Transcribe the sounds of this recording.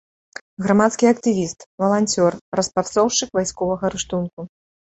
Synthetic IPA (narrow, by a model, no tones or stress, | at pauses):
ɣɾamat̪skʲiɐkt̪ɨvʲist̪vɐlˠanʲt͡sʲɔrrɐspat̪sɔwʂt͡ʂɨkvajskɔvɐɣɐɾɨʂt̪unku